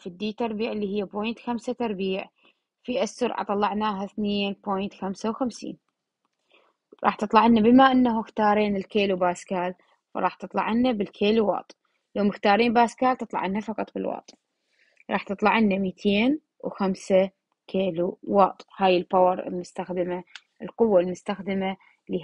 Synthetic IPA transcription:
fid̪ːiːt̪ɑɾˤbiːʕɪlːiːhɪjːaboːjnt̪xamsat̪ɑɾˤbiːʕ | fiʔasːʊɾˤʕɑ̰t̪ˤɑlːɑʕnaːɦaθneːnpoːjnt̪xamsawxamsḭːn | ɾˤɑ̰ːħt̪ɨt̪ˤlɑʕɪnːabɪmaʔanːahuxt̪ɑːɾˤeːnɪlkeːlubaːskaːl | fɑ̰ɾˤɑːħt̪ɨt̪ˤlɑ̰ʕɪnːabɪlkʰeːluwɑ̰ːt̪ˤ | loːmɪxt̪ɑːɾˤiːnbaːskaːlt̪ɨt̪ˤlɑ̰ʕɪnːafɑqɑt̪ˤbɪ̰lwɑ̰ːt̪ˤ | ɾˤɑ̰ːħt̪ɨt̪ˤlɑʕɪnːamiːt̪ʰeːn | wxamsa | kʰeːluwɑːt̪ˤhaːjɪlpawɑɾˤɪ̰lmʊst̪axd̪ɪma | ʔɪlqʊwːalmʊst̪axd̪ɪma | li

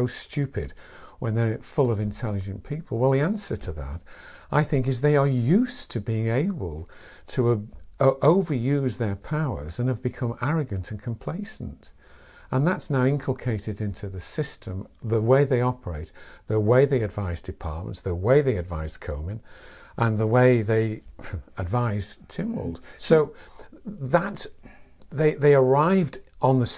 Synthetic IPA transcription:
oʊstʉpɨd̚ | wə̃nðə˞fʊlˠʌvɨ̃ntʰɛlˠɨd͡ʒɨ̃npʰipʰəl̩ˠwaɪlˠðiæ̃nsə˞ɾʰɨðə̰ɾ | ʔaɪθɪ̃ŋkɨzðeɪə˞jʉstʰɨbiɪ̃ŋeɪbəl̩ˠ | tʰə | ʔoʊvə˞jʉzðə˞pʰaʊə̰˞zɨ̃nɨvbɨkʰʌ̃mæɹɨɡɨ̃ntʰɨ̃n̩kʰm̩pʰl̥eɪsn̩t | ʔə̃nðətsnaʊɪ̃ŋkʰl̩ˠkʰeɪɾɨɾɪ̃ntʰʉðɨsɪstʰə̃mðəweɪðeɪɑpʰə˞eɪt̪̚ðəweɪðeɪɨdvaɪzdɨpʰɑ̰ɹt̚mə̰̃ntðəweɪðeɪɨdva̰ɪz̥kʰõʊ̃mɨ̃n | ʔə̃nðəweɪðeɪədvaɪz̥tʰɪ̃mwə̰lˠd̥soʊ | ðət̪ | ðeɪðeɪə˞aɪvd̃n̩ðɨs

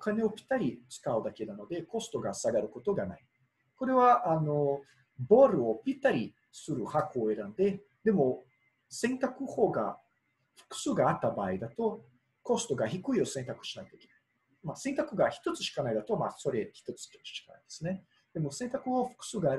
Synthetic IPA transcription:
okane̞o̞pʲi̥t̪ːaɾʲit͡sɨ̥kaɯ̟d̪ake̞nano̞d̪e̞ko̞sɨ̥t̪o̞ɡasaɡaɾɯ̟ko̞t̪o̞ɡana̰i | ko̞ɾe̞βaʔano̞ | bo̞ːɾɯ̟o̞pʲit̪ːaɾʲi | sɨɾɯ̟hakɯoe̞ɾãnd̪e̞ | d̪e̞mo̞ | sẽ̞nt̪akɯ̟ho̞ːɡa̰ | ɸɯ̟̥kɯ̟̥sɨːɡaːt̪ːabaːid̪at̪o̞ | ko̞sɨ̥t̪o̞ɡaçikɯ̟io̞sẽnt̪akɯ̟̥ɕi̥naid̪ekʲi̥nai̥ | masẽ̞nt̪akɯ̟ɡaçi̥t̪o̞t͡sɨ̥ɕi̥kanaid̪at̪o̞maso̞ɾe̞çi̥t̪o̞t͡sɨ̥çi̥t̪o̥t͡sɨ̥ɕi̥kana̰id̪̥e̞sɨne̞ | d̪̥e̞mo̞sẽ̞nt̪akɯ̟oɸɯ̥kɯ̥sɨːɡaːɾ

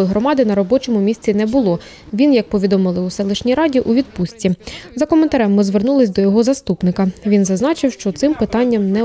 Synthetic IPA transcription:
jɦɾɔmɑd̪ɪnɐɾɔbɔt͡ʃɔmʊmʲisʲt͡sʲinɛbʊlˠɔ | ʋʲinjɐk̚pɔʋʲid̪ɔmɪlˠɪusɛlˠɪʃnʲijɾɑdʲiʔuʋʲid̪̚pusʲtʲizɐkɔment̪ɐɾɛmːɪzʋernulˠɪsʲd̪ɔjɔɦɔzɐst̪upnɪkɐʋʲinzɐznɑt͡ʃɪwʃt͡ʃɔt̪sɪmpɪt̪ɑnʲːɐmnɛ

